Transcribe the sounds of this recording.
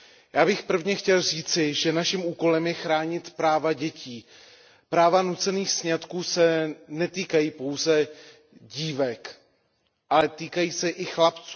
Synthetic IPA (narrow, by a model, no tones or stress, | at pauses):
jaːbɪxpr̩vɲɛxcɛlr̝iːt͡sɪʒɛnaʃimʔuːko̞lɛmjɛxɾaːɲɪt̪pɾaːvaɟɛciː | pɾaːvanut͡sɛniːxsɲat̪kuːsɛnɛt̪iːkajiːpo̞wzɛ | ɟiːvɛk | ʔalɛt̪iːkajiːsɛʔɪxlapt͡suː